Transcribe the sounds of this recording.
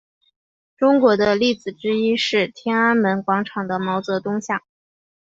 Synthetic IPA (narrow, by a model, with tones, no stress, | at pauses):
ʈ͡ʂʊ˥ŋkwɔ˧˥d̪ə˧li˥˩t͡sɹ̩˨˩ʈ͡ʂɻ̩˥i˥ʂɻ̩˥˩t̪ʰjɛ˥na˥nmə˧˥nkwɑ˧˥ŋʈ͡ʂʰɑ˨˩ŋd̪ə˦mɑ˧˥ʊt͡sɤ˧˥t̪ʊ˥ŋɕjɑ˥˩ŋ